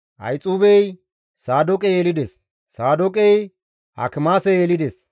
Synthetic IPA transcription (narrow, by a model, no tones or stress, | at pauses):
ʔɐ̰jt͡sʼuːbɛj | saːd̪ɔkʼɛjeːlɪd̪ɛs | saːd̪ɔkʼɛj | ʔɐ̰kɪmaːsɛjeːlɪd̪ɛs